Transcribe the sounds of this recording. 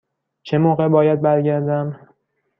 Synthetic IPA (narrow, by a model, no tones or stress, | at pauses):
t͡ʃʰe̞moːɣe̞bɒːjæd̪̚bæɾɟæɾd̪æm